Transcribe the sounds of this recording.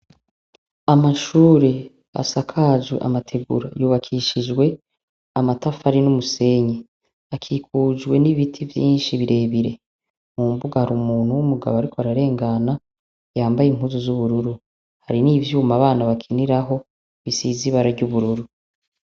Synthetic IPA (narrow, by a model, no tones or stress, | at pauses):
amaʃuːɾe̞ | a̰sakʰazḛʔa̰matʰe̞ɡṵɾa̰juːβakʰiʃid͡ʒwe̞ | amatafaɾinumuse̞ɲe | akʰikʰuːd͡ʒɡwe̞niβitʰivjḭːnʃiβiɾe̞ːβiɾe̞ | muːmbuɡahaɾumuːnhuwumuɡa̰βoaɾikʰoaɾaɾe̞ːŋɡana | jaːmbajiŋhuzuzuβuɾuɾu | haɾiniːvjuːmaβaːnaβakʰiniɾaɦo̞ | βisiːziβaɾaɾɟuβuɾuɾu